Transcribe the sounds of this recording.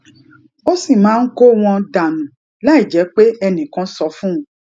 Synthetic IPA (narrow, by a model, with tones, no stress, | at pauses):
o˦si˦˨mãː˨˦n̩˦ko˦w̃ɔ̃˧da˨nũ˨ | la˦i˦˨d͡ʒɛ˨˦k͡pe˦ɛ˧nĩ˨kã˨˦sɔ˧fũ˦ũ˨˦